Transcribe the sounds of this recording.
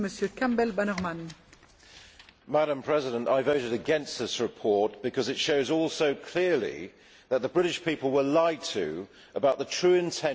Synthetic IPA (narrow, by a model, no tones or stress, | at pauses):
məsjəkãmbɛlbanəʁman | mæɾə̃mpʰɹ̥ɛzɪɾə̃ntaɪvəʊɾɨɾɨɡɛ̃nst̪̚ðɪsɹɨpʰɔɹt̚b̥ɨkʰʌzɨtʃoʊzɔlˠsoʊkʰl̥ɪɹlḭ | ðət̪̚ðəbɹɪɾɪʃpipəl̩ˠwəlaɪtʰɨ̰ | əbaʊʔ̪̚ðətʰɹ̥ʉːɪ̃ntʰɛ̃